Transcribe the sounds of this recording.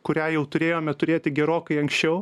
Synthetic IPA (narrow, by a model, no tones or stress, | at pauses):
kʊɾʲæːjɛʊt̪ʊɾʲeːjoːmʲɛt̪ʊɾʲeːt̪ʲɪɡʲɛɾoːkɐɪɐŋksʲt͡ʃʲɛʊ